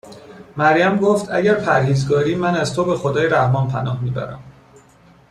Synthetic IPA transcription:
mæɾjæmɡoːft̪ʰæ̰ɟæɾpʰæɾhiːzɡɒːɾiːmænæzt̪ʰobe̞xod̪ɒːjeɾæhmɒnpʰænɒːhmiːbæ̰ɾæ̰m

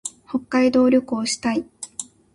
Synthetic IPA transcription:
ho̞kːaid̪o̞ːɾʲo̞kɯoɕi̥t̪ai

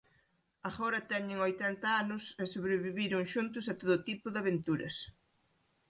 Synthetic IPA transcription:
aɣoɾɐt̪ɛɲɪŋojt̪ɛnt̪ɐanʊsɛsoβɾɪβiβiɾʊŋʃunt̪ʊs̬ɐt̪oðʊt̪ipʊðɪaβent̪uɾɐ̰s

